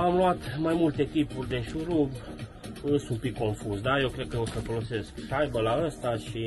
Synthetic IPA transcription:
amluat̪majmult̪e̞k̪ipurʲd̪e̞ʃuɾu | ɨsumpikːo̞ɱfuzd̪aje̞wkɾekəosəfo̞lo̞se̞skʃajbəlaəst̪aʃi

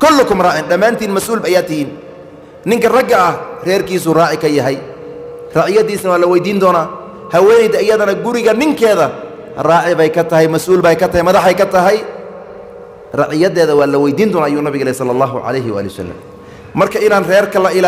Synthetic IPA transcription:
kʰɔlːʊkʊmrɑːʕɪnɖɐmːaːnt̪ʰiːnmɐsʔuːlbɐjaːt̪ɪhiːn | nɪŋkɐrɐɡːɐɐhrɛːrkiːs̬uːrɑːʕɪkʰɐjɐɦɛj | rɑːʕɪjɐðiːsnɐwaːlɐwɛjd̪iːnd̪ɔːnaː | hɐwɛːnɛjd̪ɐɪjɐðɐnɐɡʊɾɪɣɐnɪŋkʰɛːðɐ | rɑːʕɪβɛjkʰɐt̪ʰɐɦɛjmɐsʔuːlbɛjkʰɐt̪ʰɐhjmɐðɑħɛjkɐt̪ʰɐɦɛj | rɑʕɪjɐðɛːðɐwɑːlɐwɛjd̪iːnd̪ɔːnaːʔɐjuːnɐβɪɣɐlɛːjsɐlːɐlːɑːɦʊʕɑ̰lɛjɦɪwa̰ːlɛjw̰sɐ̰lːɐ̰m | mɐrkʰɐɪnaːnrɛːrkʰɐlɐʔɪl

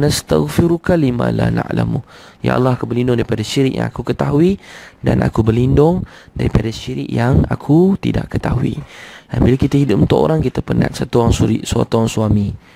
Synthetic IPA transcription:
nast̪aɣfiɾukalimalana̰ʔla̰muja̰ʔa̰lːahakubəlindʊŋdaɾipadaʃiɾɪʔja̰ŋakukət̪aɦuida̰nʔa̰kubərlindʊŋdaɾipadaʃiɾɪ̰ʔjaŋa̰kʰut̪ida̰ʔkət̪aɦuiambilakit̪aɦidʊp̚unt̪ɔʔo̰ɾaŋkit̪apəna̰t̪̚sat̪uoɾaŋsuiʔsua̰t̪uaŋsuami

